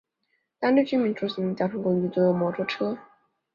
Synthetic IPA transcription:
t̪a˥nly˥˩t͡ɕy˥mi˧˥nʈ͡ʂʰu˧˥s̩˧˥˩n˧˥t͡ɕjɑ˨˩ʊʈ͡ʂʰɤ˧˥ŋkʊ˧˥ŋy˧˥˩t̪ə˥˩˧mwɔ˧˥ʈ͡ʂʰɔ˥ʈ͡ʂʰɤ˥

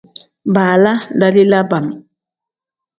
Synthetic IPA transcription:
baː˨la˦da˦di˦la˦ba˨m

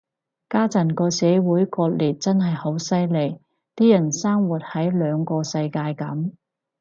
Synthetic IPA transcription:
kaː˥t͡sɐ˨˩nkɔː˧sɛː˨˧wuː˨˥jkɔː˧t̚liː˨˩t̚t͡sɐ˥nɦɐ˨jho˨˥wsɐ˥jle˨˩j | t̪iː˥jɐ˨˩nsaː˥ŋwu˨t̚hɐ˨˥jlœː˨˧ŋkɔː˧sɐ˧jkaː˧jkɐ˨˥m

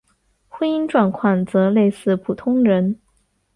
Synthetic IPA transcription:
xwe˥ni˥nʈ͡ʂwa˨˩nkʰwa˨˩nt͡sɤ˧˥le˥˧ɪsɹ̩˥˩pʰu˨˩t̪ʰʊ˥ŋɻə˧˥n

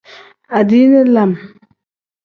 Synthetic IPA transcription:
a˨di˦ne˦la˨m

